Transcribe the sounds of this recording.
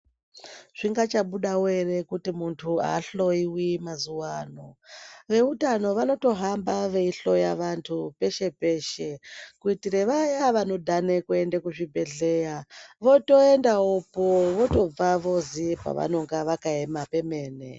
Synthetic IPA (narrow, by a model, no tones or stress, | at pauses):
ʐ̥iŋɡat͡ʃaɓuɗawere̞kutimuntʰua̰ːɬo̞iwimazuwaːnoʋe̞utano̞ʋano̞to̞ɦambaʋe̞iɬo̞jaʋantʰupe̞ʃe̞pe̞ʃe̞kuitiɾeʋajaʋano̞dʱanekue̞ndekuʐibʱe̞ɮe̞jaʋo̞to̞endaopoʋo̞to̞b͡vaʋo̞zipa̰ʋa̰no̞ŋɡaʋakaemape̞me̞ːnḛ